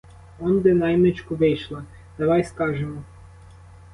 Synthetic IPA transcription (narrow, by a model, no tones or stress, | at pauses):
ɔnd̪ɪnɑjmnet͡ʃkʊʋɪjʃlˠɐ | d̪̥ɐʋɑjskɑʒemɔ